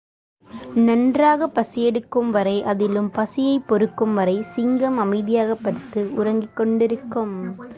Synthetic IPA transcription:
nɐndraːɣɐpːɐsɪjɛɽɯkːɯmʋɐɾɐɪʔɐðɪlɯmpɐsɪjɐɪpːɔɾɯkːɯmʋɐɾɐɪsɪŋɡɐmɐmɐɪðɪjaːɣɐpːɐɾt̪ːɯʊɾɐŋɡɪkːɔɳɖɪɾɯkːɯm

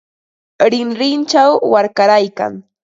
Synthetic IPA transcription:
ɾɪnɾɪnt͡ʃawːaɾkaɾajka̰ŋ

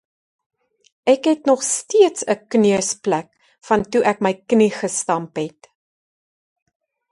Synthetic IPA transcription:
ʔækɦɛtnɔχstiətsəkniəsplæk | fɐntuʔæk̚məjkniχəstɐmpɦɛt

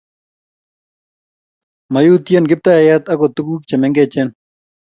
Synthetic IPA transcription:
mɐjuːt̪ijenɡɪp̚t̪aɐjat̪ɐkot̪ukuːk̚t͡ɕɐmeŋɡet͡ɕen

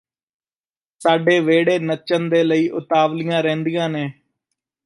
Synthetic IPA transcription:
saːɖeːʋeːɽeːnət͡ʃənd̪eːləiːʔʊt̪aːʋlɪjãːɾɛ̃ːnd̪ijãːneː

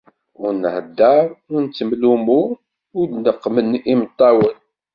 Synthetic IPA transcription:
ʊɾnʕəd̪ːəɾˤʊnt͡sːəmlumu | ʊd̪nəqːmənimt̪ˤːɑwən

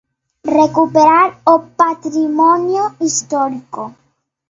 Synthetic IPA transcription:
rekupeɾaɾopat̪ɾimɔnjoist̪ɔɾiko

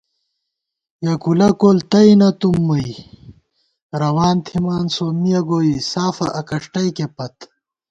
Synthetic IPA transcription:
jɐkulɐkoːlt̪ɐinɐt̪umːuj | ɾɐwaːnt̪ʰimaːnsoːmijɐɡoːisaːfɐʔɐkɐʂʈɐjkepɐt̪

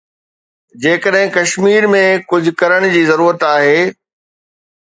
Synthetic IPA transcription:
d͡ʑeːkəɗɦɪ̃kɐʃmiːɾmẽkʊd͡ʑʱʊ̆kɐɾəɽ̃d͡ʑiːzɐɾuːɾət̪aːɦeː

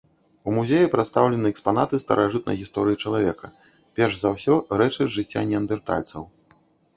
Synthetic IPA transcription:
umuzʲejipɾat̪st̪awlʲɛnɨɛkspan̪at̪ɨst̪ɐ̰ɾʔaʐɨt̪nɐ̰jɣʲist̪ɔɾɨjit͡ʂɐlˠavʲɛkɐ | pʲɛrʐzawsʲɔɾɛt͡ʂɨʐɨt͡sʲːanʲːiɐnd̪ɨrt̪a̰lʲt̪sɐw

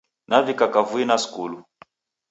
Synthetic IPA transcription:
navikakavuinaskulu

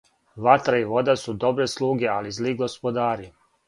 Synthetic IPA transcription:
ʋat̪ɾaiʋo̞d̪asud̪o̞bɾeslˠuːɡe̞alizliɡo̞spo̞d̪aːɾi

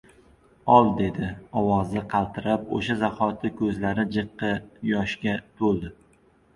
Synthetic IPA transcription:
ɒlˠd̪e̞d̪ɪɒwɒzɪqʰɑlˠt̪ʰɪɾapo̰ʃazahɒt̪ʰɪkʰɵzlaɾɪd͡ʒɨqːɨjɒʃkʲat̪ʰolˠd̪ɪ

